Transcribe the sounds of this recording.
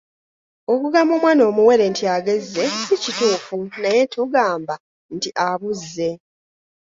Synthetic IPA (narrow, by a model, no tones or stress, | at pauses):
o̞kuɡamomwaːno̞ːmuwe̞ɾe̞ntiaɡe̞zːe̞sicituːfunaje̞tuɡaːmba | ntiʔaβuzːe̞